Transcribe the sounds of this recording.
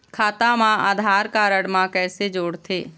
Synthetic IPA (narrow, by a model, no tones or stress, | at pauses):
kʰaːt̪amãa̰ːd̪ʱaːɾkaːɾəɽmãkɛːsed͡ʒoːɽt̪ʰeː